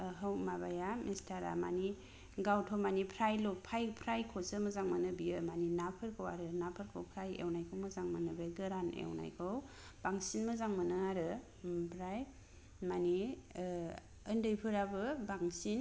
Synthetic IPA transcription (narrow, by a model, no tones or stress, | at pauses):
ɦɯwmabajamistʰaɾa̰ma̰ni | ɡawtʰomanipʰɾajlok̚pʰajpʰɾajkʰosɯmɯzaŋmɯnɯbijɯmaninapʰɯɾkʰɯwaɾɯnapʰɯɾkʰɯwpʰɾajḛwnajkʰɯwmɯzaŋmanɯbeɡɯɾanḛwna̰jkʰɯw | b̥aŋsinmɯzaŋmɯnɯaɾɯ | pʰɾaj | mani | ɯndɯjpʰɯɾabɯbaŋsin